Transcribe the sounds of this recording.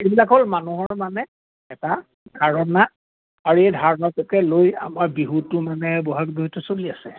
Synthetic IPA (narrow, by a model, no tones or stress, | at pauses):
ebilakɦolmanuɦɔɹmanɛ | ɛta | d̥ʱaɹɔnːa | aɹuejdʱaɹɔnɔtɔkɛloja̰maɹbiɦutʊmanɛbɔɦak̚biɦutʊsoliasɛ